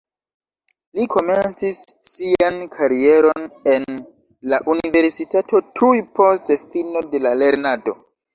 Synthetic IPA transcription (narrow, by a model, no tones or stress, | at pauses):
likʰo̞me̞nt͡sisːiankʰaɾie̞ɾo̞ne̞n | laʔunive̞ɾsitatʰo̞tʰujpo̞stefino̞de̞lale̞ɾnado̞